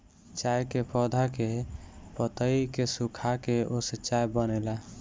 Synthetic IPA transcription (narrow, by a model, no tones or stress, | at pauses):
t͡ʃajkepʰɔd̪ʱakepət̪əikesukʰakeosət͡ʃajbənɛla